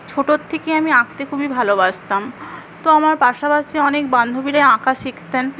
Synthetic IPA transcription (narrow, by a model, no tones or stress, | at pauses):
t͡ɕʰoʈot̪ʰːekeamiãk̚t̪ekʰubibʱalobaʃt̪am | t̪oamaɾpaʃapaʃiɔnek̚band̪ʱobiɾajãkaʃikt̪en